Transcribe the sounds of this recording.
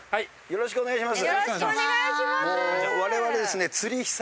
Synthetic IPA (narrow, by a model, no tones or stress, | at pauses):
hai | jo̞ɾo̞ɕi̥kɯoneɡaiɕ̬imas̬ɨ | oβaɾe̞βaɾe̞d̪e̞sɨne̞t͡sɨɾʲiçi̥s